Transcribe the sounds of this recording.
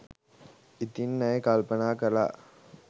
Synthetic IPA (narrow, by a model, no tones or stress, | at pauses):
it̪inːɐjekalpənaːkəɾa̰ː